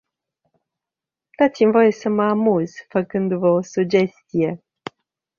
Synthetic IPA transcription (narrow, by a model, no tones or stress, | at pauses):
d̪̥at̪simvo̞jesəməamuz̥fəkɨnd̪uvəo̞sud͡ʒe̞st̪ije̞